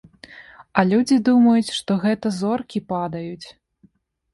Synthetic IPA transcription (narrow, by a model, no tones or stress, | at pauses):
ɐlʲud͡zʲid̪umɐjut͡sʲʂt̪ɔɣɛt̪ɐzɔrkʲipad̪ɐjut͡sʲ